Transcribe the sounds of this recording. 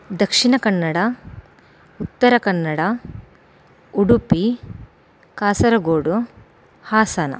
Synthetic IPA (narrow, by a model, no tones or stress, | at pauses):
d̪ɐkʂiɳɐkɐnːɐɽɐ | ut̪ːɐɾɐkɐnːɐɽɐ | uɽupi | kaːsɐɾɐɡoːɽu | haːsaːnɐ̰